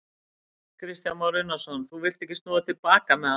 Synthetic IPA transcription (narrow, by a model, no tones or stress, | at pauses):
kʰɾɪst̪janmawɾʏnasɔnθuvɪlt̪ɛhcːɪst̪ɔːðat̪ʰɪlpaːkamɛa